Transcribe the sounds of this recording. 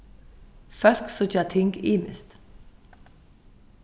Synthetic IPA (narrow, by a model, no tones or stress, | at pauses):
fœlksʊt͡ʃat̪ʰɪŋɡiːmɪ̰st̪